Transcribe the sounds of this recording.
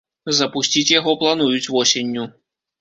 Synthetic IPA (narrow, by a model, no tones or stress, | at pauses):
zɐpusʲt͡sʲit͡sʲjaɣɔplˠanujut͡sʲvɔsʲenʲːu